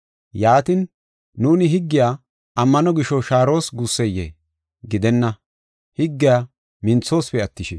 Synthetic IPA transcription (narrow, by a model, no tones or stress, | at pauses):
jaːt̪ɪnː | uːnɪɦɪɡːɪjaː | ʔɐmːɐnɔɡɪʃɔʃaːɾo̞ːsɡusːɛjḛː | ɡɪd̪ɛnːɐ | hɪɡːɪjaː | mɪnt͡sːo̞ːspɛɐt̪ːɪʃɛ